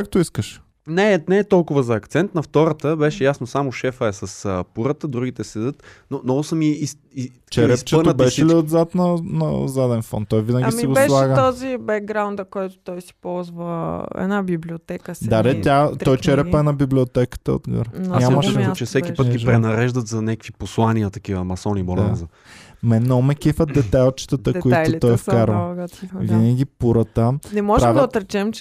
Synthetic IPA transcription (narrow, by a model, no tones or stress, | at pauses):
kakt̪oiskəʃ | nɛnɛːt̪ɔlˠkʊvəzɐɐkt̪sɛnt̪nɐft̪ɔɾət̪əbɛʃɛjasnosamʊʃɛfəɛsɐsəpuɾət̪əd̪ɾuɡit̪ɛsɛd̪ɤt̪nonɔɡʊsɐmiis | i | t͡ʃɛɾɛst͡ʃɛəntbɛʃɛliod̪zat̪nɐnɐzad̪ɛnfɔ̰nt̪ːɔjvinəɡʲisɛɡoɛlˠaɡət̪ɔzibɛk̚ɡɾawnd̪ɐkɔjt̪ʊ̥t̪ɔjsi̥pɔlˠzvəɛ̰nabibliot̪ɛkəsd̪ad̪ɛt̪ʲat̪ɔjt͡ʃɛɾɛpəɛnɐbiblʲiot̪ɛkə̥t̪əo̰d̪ɡə̰ɾɲɲammɐʃɛt͡ʃɛssɛkʲipət̪ɡiʒpɾɛnɐɾɛʒd̪ɐt̪zɐnʲɛkəkviposlˠaniət̪ɐkivɐːmɐsɔnibolanzɐ | mɛnɔmɛkifət̪̚d̪ɛt̪ajlˠt͡ʃi̥t̪ət̪əkoit̪ot̪ɔjfkaɾvɐɡavinəɡʲipuɾət̪ənɛmɔʒpɾɛavd̪ɐot̪ɾɛt͡ʃɛmt͡ʃ